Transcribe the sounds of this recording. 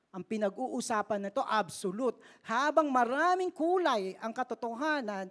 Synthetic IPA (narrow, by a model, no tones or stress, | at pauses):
ʔɐŋpɪnɐɡʔuːʔʊsaːpɐnːɪt̪o̞ʔɐbsolut̪̚haːbɐŋmɐɾaːmɪŋkuːlɐjʔɐŋkɐt̪ot̪oɦaːnɐn